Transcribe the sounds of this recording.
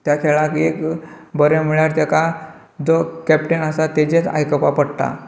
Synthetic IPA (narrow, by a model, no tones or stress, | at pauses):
t̪jakʰeɭakekbəɾjam̤iɭjaɾt̪ɛka | d͡zokɛpʈenasat̪ed͡ʑet͡sa̰jkəpapəɽʈ̪a̰